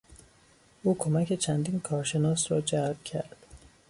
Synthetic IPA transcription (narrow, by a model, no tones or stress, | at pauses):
ʔuːkʰomæke̞t͡ʃʰænd̪iːnkʰɒːɾʃenɒːsɾɒːd͡ʒælb̚cʲʰæɾd̪̥